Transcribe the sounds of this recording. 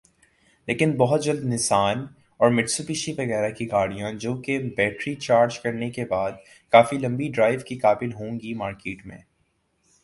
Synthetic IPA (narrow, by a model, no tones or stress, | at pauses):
leːkɪnbɔɦʊt̪̚d͡ʒɐld̪nɪsaːn | ɔːɾmɪɖsupɪʃiʋɐɣɛːɾakiɡaːɽijãd͡ʒoːkebɛːʈɾit͡ʃaːɾd͡ʒkɐɾnekebaːd̪̚ | kaːfilɐ̃mbiɖɾaːɪʋkikaːbɪlɦõːŋɡimaːɾkeːʈmḛ̃ː